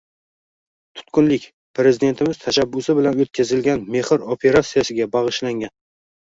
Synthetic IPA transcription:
t̪ʰʊ̥t̪kʊnlɪkʲ | pʰɾe̞zɪd̪e̞nt̪ʰɪmɪzt̪ʰaʃabːʊsɪbɪlanot̪̚kʲʰazɪlɡʲanme̞hɪɾopʰe̞ɾat̪sijasɪɡʲabɑʁɨʃlaŋɡʲan

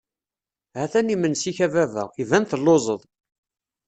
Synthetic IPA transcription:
hæθænimənsiçævævə̰ʁivænθəlːozˤəðˤ

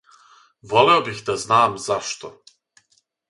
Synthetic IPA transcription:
ʋo̞leobixd̪aznaːmzaʃt̪o̰

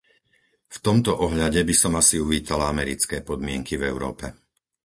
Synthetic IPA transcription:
ft̪ɔmt̪ɔʔɔɦʎaɟɛbisɔmasiuʋiːt̪alaamɛɾit͡skɛːpɔd̪mɪɛŋkivɛʊɾɔ̰ːpɛ

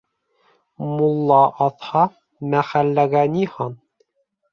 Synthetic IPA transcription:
mulˠːɑʔɑθhɑ | mæχælːæɡænihɑn

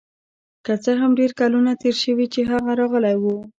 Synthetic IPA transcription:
kət͡səɦamɖeɾkalunat̪eɾʃəwit͡ʃeɦaɣaɾɑɣəlajwu

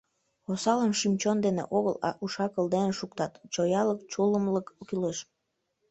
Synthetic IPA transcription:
osɑlənʃymt͡ɕond̪enḛʔoɣəlɑ̰ʔuʃɑkəlˠd̪eneʃukt̪ɑt̪t͡ɕojɑləkt͡ɕuləmləkkyleʃ

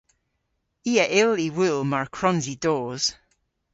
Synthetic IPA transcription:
iːəʔɪliwɪlˠmaɹkʰɹ̥ɔnzidoːz̥

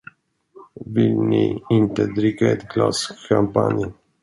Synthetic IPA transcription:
vɪlniɪnt̪əd̪ɾʏkːaɛt̪klɑ̰skʰampa̰nj

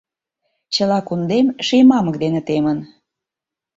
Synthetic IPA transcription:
t͡ɕəlɑkund̪emʃijmɑməkd̪enĕt̪emən

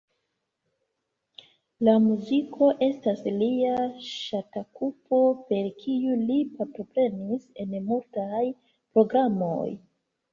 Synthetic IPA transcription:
lamuzikʰo̞ʔe̞stasliaʃatakupo̞pe̞ɾkʰijulipaɾto̞pɾe̞nise̞nmultaj | pɾo̞ɡɾamo̞̰j

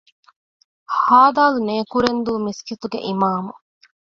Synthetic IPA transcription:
haːd̪aːluneːkuɾend̪uːmiskit̪uɡḛʔimaːmu

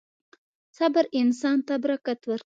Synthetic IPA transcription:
sabɨɾɪnsɑnt̪abɾakat̪wəɾ

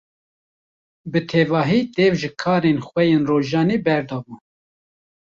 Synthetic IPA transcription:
bɨt̪ʰeːvɑːɦiːt̪eːvʒɨkʰɑːɾeːnxwɛjeːnroːʒɑːniːbɛɾd̪ɑːbuː

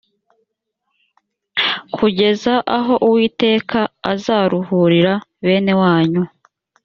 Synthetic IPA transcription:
kʰuɟe̞zaʔaɦo̞ʔuwiːte̞ːkʰaazaːɾuhuɾiɾaβe̞ːne̞waːɲu

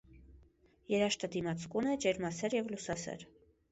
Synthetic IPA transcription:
jɛɾɑʃt̪əd̪imɑt͡sʰkunɛd͡ʒɛɾmɑsɛɾjɛvlusɑsɛ̰ɾ

